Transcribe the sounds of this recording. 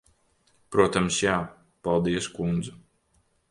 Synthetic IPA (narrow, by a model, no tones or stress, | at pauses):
pɾuɔt̪amsjaː | palˠd̪iɛskund̪zu